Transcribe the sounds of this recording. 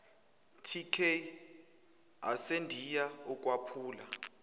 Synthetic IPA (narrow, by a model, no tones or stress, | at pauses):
tʰikʰe | a̰sendʱijaɔk̬ʼwapʰuːla